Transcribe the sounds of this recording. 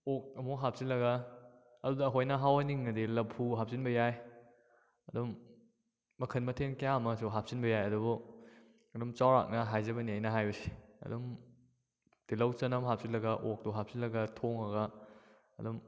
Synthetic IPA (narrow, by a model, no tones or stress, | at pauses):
ok̚ɐmoɦap̚silɐɡa | ɐdudɐːɦojnɐɦawaniŋnɐdilɐpʰːuɦap̚sinbɐjaj | ɐdɔmː | ɐkʰɐnmɐtʰenkjamɐsuɦap̚sinbɐjajɐdubu | ɐdɔmt͡ʃawɾa̰k̚nɐɦajzɐbɐniajnɐɦajbɐsi̥ɐ̰dum | d̥ilɐwt͡ʃɐnɐmɦap̚silɐɡɐʔok̚tuɦap̚silɐɡɐtʰoŋɐɡa | ɐdɔm